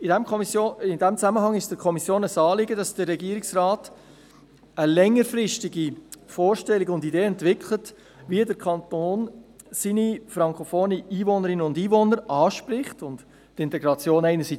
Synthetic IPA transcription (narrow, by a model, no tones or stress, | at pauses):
ɪdɛmsoɪdɛmt͡sæməɦɑŋɪʃd̥əkʰɔmisjoːnəsɑːlɪɡədɑsd̥ərːɛɡiəɾɪksrɑːt | əlɛŋːəɾfrɪʃtɪɡifɔːɾʃtɛliɡəʊndideːɛntvɪkʰlət | ʋiədəɾkʰɑntoːn | sinifɾɑŋkʰofoːniiːvɔnəɾɪnəʊndiːvɔnəɾɑːʃpɾɪχtʊnd | tɪntɛɡɾɑt͡sjoːnɛɪnəɾsi